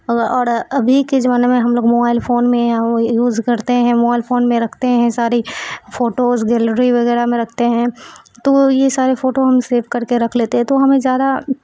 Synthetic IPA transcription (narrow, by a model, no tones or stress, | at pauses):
ɔːɾɐbʱiked͡ʒɐʋaːnemẽɦɐmloːɡmoːbaːɪlfoːnmẽjajuːzkɐɾt̪eɦɛ̃moːbaːɪlfoːnmẽɾɐkʰt̪eɦɛ̃saːɾifoːʈosɡɛːləɾiʋɐɣɛːɾamẽɾɐkʰt̪eɦɛ̃ | t̪ojesaːɾefoːʈoɦɐmseːʋkɐɾkeɾɐkʰleːt̪eɦɛ̃t̪oɦɐmẽzjaːd̪a